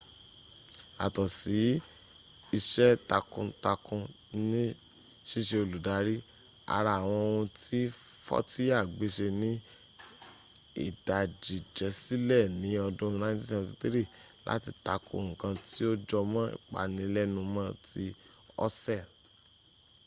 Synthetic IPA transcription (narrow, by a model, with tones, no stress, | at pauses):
a̰˨tɔ˨si˨˦ | i˧ʃɛ˦ta˧kũ˧ta˧kũ˧ | nĩ˦ | ʃi˦ʃe˧o˧lu˨da˨˦ɾi˦ | a̰˧ɾa˧˨w̃ɔ̃˧o˧ũ˧tʰi˦fɔ̰˦ti˦a˦˨ɡ͡be˨˦ʃe˧nĩ˦ | ḭ˦˨da˨d͡ʒi˨d͡ʒɛ˨˦si˦lɛ˦˨nĩ˨˦ɔ˧dũ˦ju˧nã˧˦te˦sɛ̃˦˧˨si˧˦ti˦ɾi˦˨ | lʔa̰˦ti˧ta˧kũ˧o˨ũ˨kã˧ti˦o˦d͡ʒɔ˧mã˦ḭ˦˨k͡pa̰˨nĩ˨˧˦lɛ˦nũ˧mã˧tʰi˧ | ɔ̰˦sɛ˦˨